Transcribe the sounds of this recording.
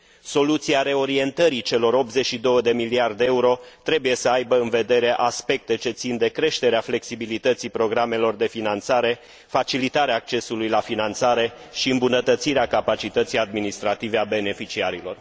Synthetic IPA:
so̞lut̪siaɾe̞o̞ɾie̞nt̪əɾit͡ʃe̞lo̞ɾo̞p̚t̪ze̞t͡ʃʃid̪o̞wəd̪e̞miliard̪eeuɾo̞t̪ɾe̞buje̞səajbəɨnve̞d̪e̞ɾe̞ʔaspe̞k̚t̪e̞t͡ʃe̞t̪sind̪e̞kɾe̞ʃt̪e̞ɾeafle̞ksibilit̪ət̪sipɾo̞ɡɾame̞lo̞rd̪e̞finant̪saɾe̞ | fat͡ʃilit̪aɾeaːk̚t͡ʃe̞sulujlafinant̪saɾe̞ | ʃiɨmbunət̪ət̪siɾeakapat͡ʃit̪ət̪sijad̪minist̪ɾat̪ive̞abe̞ne̞fit͡ʃiaɾilo̞r

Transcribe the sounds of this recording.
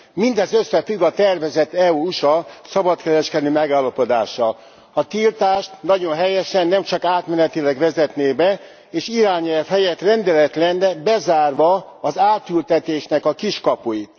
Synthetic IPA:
mind̪ɛzøsːɛfyɡɒt̪ɛrvɛzɛt̪ːɛuːuʃɒsɒbɒt̪kɛɾɛʃkɛd̪øːmɛɡaːlːɒpo̞d̪a̰ːʃːɒl | ɒt̪ilt̪aːʃt̪nɒɟo̞nɦɛjɛʃɛnːɛmt͡ʃɒkaːt̪mɛnɛt̪ilɛɡvɛzɛt̪neːbɛ | eːʃiɾaːɲɛlfhɛjɛt̪rɛnd̪ɛlɛt̪lɛnːɛbɛzaːrvɒːzaːt̪ylt̪ɛt̪eːʃnɛkɒkiʃkɒpujit̪

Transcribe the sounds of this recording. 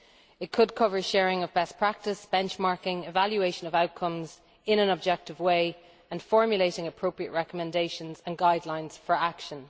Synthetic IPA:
ɪt̚kʰəd̚kʰʊvə˞ʃɛːɹɪ̃ŋəvbɛspʰɹ̥ak̚tɪsb̥ɛ̃nt͡ʃmaɹkɪ̃ŋɪvaljueɪʃə̃nəvaʊt̚kʰʌ̃mz | ɪ̃ñə̃nəb̚d͡ʒɛk̚tɪvweɪ | ə̃nfɔɹmjəleɪɾɪ̃ŋəpʰɹ̥oʊpɹiə̰ʔɹɛkəmɛ̃ndeɪʃə̃nzə̃nɡaɪdˡlãɪ̃nz̥fə˞akʃə̃n

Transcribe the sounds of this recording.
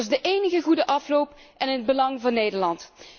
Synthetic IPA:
zdəʔejnəɣəɣudəʔɑflowpʔɛnɦəd̚bəlɑŋvɑnːejdəɹlɑnt

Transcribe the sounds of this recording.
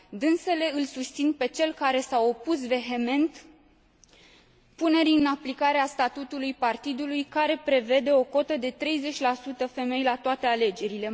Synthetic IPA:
d̪ɨnse̞le̞ɨlsust̪sinpe̞t͡ʃe̞lkaɾe̞sawo̞pus̬ve̞ɦe̞me̞nt̪ | pune̞ɾiɨnaplikaɾeast̪at̪ut̪ulujpart̪id̪ulujkaɾe̞pɾe̞ve̞d̪e̞o̞ko̞t̪əd̪e̞t̪ɾe̞jze̞t͡ʃʲlasut̪əfe̞me̞jlat̪oat̪e̞ale̞d͡ʒe̞ɾile̞

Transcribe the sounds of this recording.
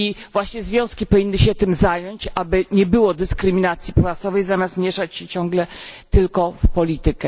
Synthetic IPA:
ivwaɕɲɛzvʲjɔ̃w̃skʲipɔvʲinːɘɕɛt̪ɘmzajɔɲt͡ɕʔabɘɲɛbɘwɔd̪ɘskɾɘmʲinat̪sʲjipwat̪sɔvɛjzamʲjast̪mʲjɛʂat͡ɕɕɛt͡ɕɔ̃ŋɡlɛt̪ɘlkɔfpɔlʲit̪ɘkɛ

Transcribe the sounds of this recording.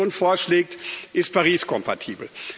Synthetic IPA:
oːnfoːɐʃleːk̚tʔɪst̚pʰaʁiːskʰɔmpʰatʰiːbl̩

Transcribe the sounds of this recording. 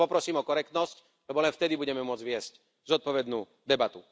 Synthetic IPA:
ɔpɾɔsiːmɔkɔɾɛk̚t̪nɔsc | lɛbɔlɛnft̪ɛd̪ibuɟɛmɛmʊɔd͡zʋɪɛsc | zɔt̪̚pɔʋɛd̪nṵː | d̪ɛbat̪u

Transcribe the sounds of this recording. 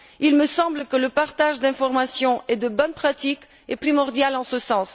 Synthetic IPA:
ilməsɑ̃bləkələpaʁt̪aʒd̪ɛ̃fɔʁmasjɔ̃ʔɛd̪əbɔnpχat̪ik | epχimɔʁd̪jalɑ̃səsɑ̃s

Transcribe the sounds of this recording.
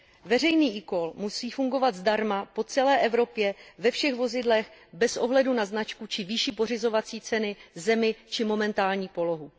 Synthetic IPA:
vɛrɛjniːʔɪko̞lmusiːfuŋɡo̞vat̪zdaɾmapo̞t͡sɛlɛːʔɛvɾo̞pjɛvɛfʃɛɣvo̞zɪdlɛxbɛsʔo̞ɦlɛdunaznat͡ʃkut͡ʃɪviʃipo̞rɪzo̞vat͡siːt͡sɛnɪzɛmɪt͡ʃɪmo̞mɛnt̪aːlɲiːpo̞lo̞ɦu

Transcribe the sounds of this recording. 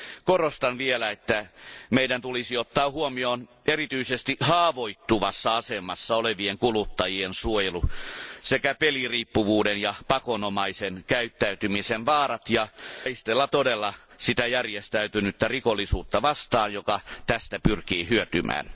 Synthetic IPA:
korost̪ɑnʋielæet̪ːæmeidænt̪ulisiot̪ːɑːhuomioːn | erit̪yisest̪iʔhɑːʋoit̪ːuʋɑsːɑɑsemɑsːɑoleʋieŋkulut̪ːɑjiensuojelusekæpeliriːpːuʋuːdenjɑpɑkonomɑisenkæyt̪ːæyt̪ymisenʋɑːrɑt̪jɑist̪elːɑt̪odelːɑsit̪æjærjest̪æyt̪ynyt̪ːærikolːisuːt̪ːɑʋɑst̪ɑːnjokɑt̪æst̪æpyrkiːhyøt̪ymʔæ̰ːn

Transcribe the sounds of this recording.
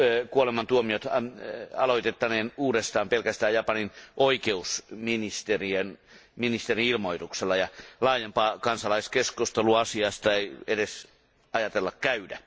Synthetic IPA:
kuolemɑnt̪uomiot̪ | ɑ̰loit̪et̪ːɑneːnuːdest̪ɑːmpelkæst̪æːjɑpɑninʔoikeusminist̪erienminist̪eriilmoit̪ukselːɑjɑlɑːjempɑːkɑnsɑlɑiskeskust̪eluɑsiɑst̪ɑeiedes | ɑjɑt̪elːɑkkæydæ

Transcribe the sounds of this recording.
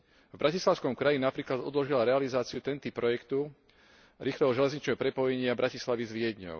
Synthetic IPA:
vbɾacislaʊskɔmkɾajinapɾiːklad̪ɔd̪lɔʒilaɾɛalizaːt͡siut̪ɛnt̪ipːɾɔjɛkt̪u | ɾiːxlɛɦɔʒɛlɛzɲit͡ʃnɛɦɔpɾɛpɔjɛɲɪabɾacislaʋizʋɪɛd̪ɲɔ̰ʊ

